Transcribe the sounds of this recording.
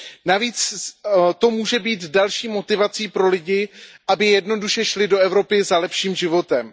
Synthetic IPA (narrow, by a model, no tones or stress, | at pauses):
naviːt͡s | t̪o̞muːʒɛbiːt̪dalʃiːmo̞t̪ɪvat͡siːpɾo̞lɪɟɪʔabɪjɛdno̞duʃɛʃlɪdo̞ɛvɾo̞pɪzalɛpʃiːmʒɪvo̞t̪ɛm